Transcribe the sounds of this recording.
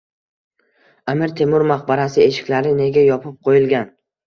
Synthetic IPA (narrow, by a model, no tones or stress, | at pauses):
amɪɾt̪ʰe̞mʊɾmaχbaɾasɪe̞ʃɪ̥kʲlaɾɪne̞ɡʲajɒpʰɪp̚qʰojɪlˠɡʲan